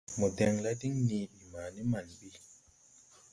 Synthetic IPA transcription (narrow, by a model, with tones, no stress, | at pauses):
mɔ˨dɛ˨ŋla˦di˦ŋni˨i˨maː˨ni˦ma˨nɓi˦˨